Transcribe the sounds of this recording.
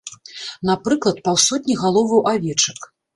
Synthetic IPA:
napɾɨklˠɐt̪̚pawsɔt̪̚ʲnʲiɣalˠɔvɐwʔavʲɛt͡ʂɐk

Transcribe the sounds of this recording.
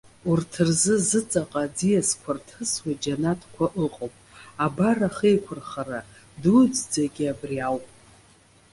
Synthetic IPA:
urtʰɨrzɨzɨt͡sʼaqʼad͡zijaskʷʰartʰɨswad͡ʒanatʰkʷʰaʔɨqʼopʼabaraχejkʷʰʊrχara | dud͡zd͡zaɡʲiabriawpʼ

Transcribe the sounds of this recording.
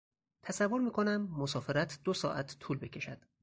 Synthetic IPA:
t̪ʰæsævːo̞ɾmiːkʰo̞næmːosɒːfeɾæt̪ʰd̪osɒ̰ːʔæt̪ʰt̪ʰːuːlbe̞cʲʰe̞ʃæd̪̥

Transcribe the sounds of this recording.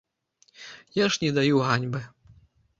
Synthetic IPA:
jaʂnʲɛd̪ajuɦanʲbɨ

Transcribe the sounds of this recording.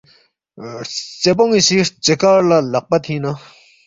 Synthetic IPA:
t͡sep̬oŋiɕit͡ɕəkaɹlalaʔ̚pat̪ʰina

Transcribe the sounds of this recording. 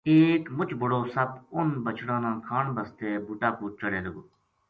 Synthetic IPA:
eːkmʊt͡ʃbʊɽoːsɐbʊnbɐt͡ʃɽãːnãːkʰaːɳbɐst̪eːbuːʈaːpuːt͡ʃɐɽẽːlɐɡoː

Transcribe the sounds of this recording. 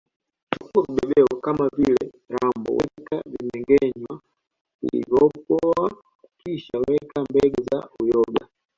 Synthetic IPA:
t͡ʃukuɾuɓɛɗɛɔkamavilɛ | ɾambɔ̰wɛkavimɛŋɡɛɲwa | kṵlḭvɔpɔa | kukiʃawɛkambɛɡɛza̰ujɔɡa

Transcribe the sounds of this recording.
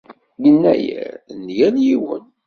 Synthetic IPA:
jənːæjæ̰njænjiwə̰n

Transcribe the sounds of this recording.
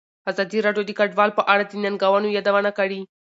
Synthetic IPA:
azɑd̪iɾɑɖjod̪əkaɖwɑlpəʔaɽad̪ənanɡawanojɑd̪awanakaɽi

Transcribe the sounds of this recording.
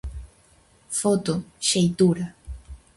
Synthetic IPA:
fot̪oʃejt̪uɾa

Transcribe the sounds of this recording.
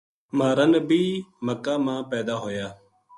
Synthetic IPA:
maːɾənbiːməkaːmãːpɛːd̪aːɦoːjaː

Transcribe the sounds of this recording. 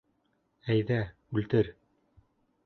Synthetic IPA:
æjðæ | ʉlt̪ɘɾ

